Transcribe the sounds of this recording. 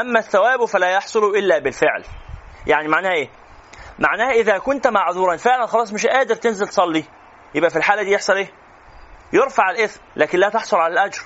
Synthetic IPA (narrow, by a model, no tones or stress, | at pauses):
ʔæmːæθːæwæːbfælæːjɑħsˤoluʔɪlːæːbɪlfeʕljaʕnimaʕnæːhæʔeː | maʕnæːhæʔɪðæːkʊnt̪maʕðuːɾˤɑnfeʕlænxɑlɑːsˤmɪʃʔæːd̪eɾt̪enzelt̪sˤɑlːi | jebʔæfilħaːlæd̪iːjeħsˤɑlʔeː | jeɾfaʕelʔeθmlæːkɪnlæːt̪ɑħsˤolʕalælʔæd͡ʒɾˤ